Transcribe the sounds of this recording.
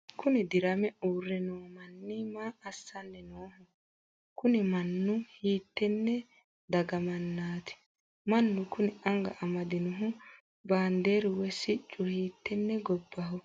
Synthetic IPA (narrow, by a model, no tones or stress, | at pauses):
kʊnɪd̪ɪɾɐmɛuːrːɛnoːmɐnːɪmaːsːɐnːɛnoːhʊ | kʊnɪmɐnːʊhiːt̪ːɛnːɛ | d̪ɐɡɐmɐnːaːt̪ɪ̥ | mɐnːʊkʊnɪɐŋɡɐ̰ʔɐmɐd̪ɪnʊɦʊ | baːnd̪eːɾʊwɛsɪt͡ʃʼːʊhiːt̪ːɛnːɛɡɔbːɐɦɔ